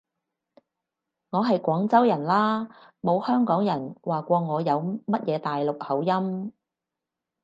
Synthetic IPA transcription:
ŋɔː˨˧ɦɐ˨jkʷɔː˨˥ŋt͡sɐ˥wjɐ˨˩nlaː˥mo˨˧whœː˥ŋkɔː˨˥ŋjɐ˨˩nwaː˨kʷɔː˧ŋɔː˨˧jɐ˨˧wmɐ˥t̚jʔɛː˨˧t̪aː˨jlʊ˨k̚hɐ˨˥wjɐ˥m

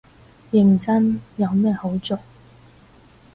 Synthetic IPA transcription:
jɪ˨˩ŋt͡sɐ˥njɐ˨˧wmɛː˥ho˨˥wt͡sʊ˨k̚

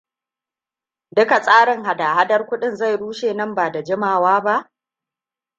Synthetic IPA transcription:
dʊ˦ka˨sʼaː˦ɽɪ˨ŋha˨da˨ha˦dɐ˦rkʷʊ˦ɗɪ˦˨nza˦˨jɽuː˦ʃeː˨nɐ˦mbaː˨da˨d͡ʒɪ˦maː˨waː˦ba˦ʔ

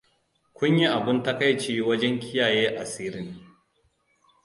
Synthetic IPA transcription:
kʷʊ˦ɲji˦ʔa˨bɪ˦nta˦ka˦jt͡ʃeː˦wɐ˦d͡ʒɛ˦ŋkʲɪ˦jaː˨jeː˦ʔa˨siː˦ɾɪ˦ŋ

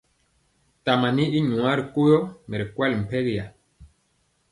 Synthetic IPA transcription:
ta˨ma˨ni˦i˦ɲu˨a˦ɾi˨ko˦jɔ˦me˨ɾi˨kwɛ˦lm̩˨pe˦ɣja̰˨

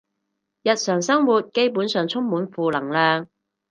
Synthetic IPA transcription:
jɐ˨t̚sœː˨˩ŋsɐ˥ŋwuː˨t̚ke˥jpuː˨˥nsœː˨ŋt͡sʰʊ˥ŋmuː˨˥nfuː˨lɐ˨˩ŋlœː˨ŋ

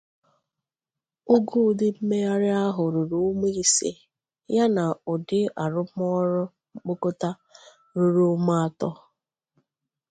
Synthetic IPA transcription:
ʊ˦ɡu˦˨dɪ˦m̩˦me˦ja˦ɾɪ˦a˦ɦʊ˨ɾu˨ɾu˦me˦i˦sḛ˦ | ja˦na˨ʊ˨dɪ˦a˨ɾʊ˦m˦ɔ˦ɾʊ˦ | ŋ͡m̩˦k͡po˦ko˦ta˦ | ɾu˨ɾu˦ma˦a˦tɔ˦

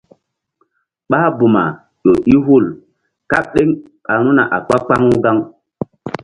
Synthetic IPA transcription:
ɓaː˦bu˨ma̰˨ | jo˨ʔi˦ɦu˦˨l | ka˦ɓ̚ɗe˦ŋɓa˨nu˦na̰˨ʔa˨k͡pa˦k͡pa˦ŋu˦ɡa˦ŋ

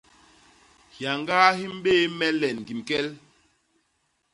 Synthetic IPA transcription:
hja˨ŋɡa˦hi˦m˦beː˦mɛ˦lɛ˨nɡi˨mkɛ˦l

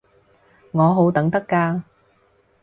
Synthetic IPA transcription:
ŋɔː˨˧ɦo˨˥wt̪ɐ˨˥ŋt̪ɐ˥kːaː˧

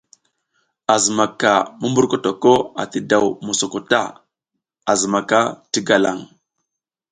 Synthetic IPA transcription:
a˨zə˨ma˨ka˨mu˦mbu˦ɾko˦to˨ko˦a̰˨ti˨da˨wmo˨so˨ko˨ta̰˦ | a˨zə˨ma˨ka˦ti˦ɡa˨la̰˨ŋ

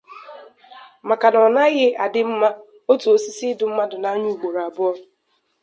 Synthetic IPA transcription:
ma˨ka˨nɔ˨na˦ɣɪ˦a̰˨dɪ˦m̩˦ma˦ | o˦tu˨o˨si˦si˦dʊ˨m̩˦ma˦dʊ˨na˨˦ɲu˦u˨ɡ͡bo˨ɾa˨bʊ˦ɔ˦

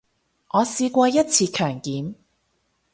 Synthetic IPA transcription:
ʔɔː˨˧siː˧kʷɔː˧jɐ˥t̚t͡sʰiː˧kʰœː˨˩ŋkiː˨˥m

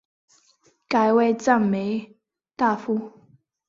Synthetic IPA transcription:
ka˨˧ɪwe˥˧˨t͡sa˥˨ŋme˨˦ɪ | t̪a˥˧˨fu˦

